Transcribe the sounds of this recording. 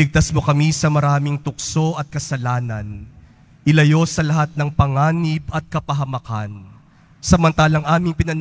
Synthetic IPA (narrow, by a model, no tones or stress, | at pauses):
ɪɡ̚t̪ɐsmo̞kɐmisɐmɐɾaːmɪŋt̪ʊk̚so̞ʔɐt̪̚kɐsɐlaːnɐn | ʔɪlɐjo̞sɐlɐɦat̪̚nɐŋpɐŋaːnɪbɐt̪̚kɐpɐɦɐmɐka̰n | sɐmɐnt̪aːlɐŋʔaːmɪŋpɪnɐn